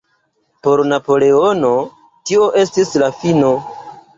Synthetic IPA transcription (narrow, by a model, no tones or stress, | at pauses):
po̞ɾnapo̞le̞o̞no̞ | tio̞ʔe̞stislafino̞